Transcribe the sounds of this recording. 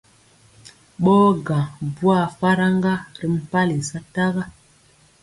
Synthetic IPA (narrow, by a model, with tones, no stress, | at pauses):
ɓɔː˦ɡã˨bu˦a˦˨fa˦ɾa˦ŋɡa˦ɾi˦m̩˦˨pa˦li˨sa˦ta˦ɣa˦